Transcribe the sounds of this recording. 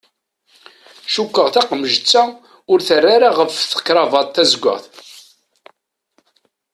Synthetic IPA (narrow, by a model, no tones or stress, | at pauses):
ʃukʷːəʁθaqməʒət͡sːa | ʊɾθərːaɾaʁəfθə̥kːɾˤɑvɑdˤθæzɡʷːə̰ʁθ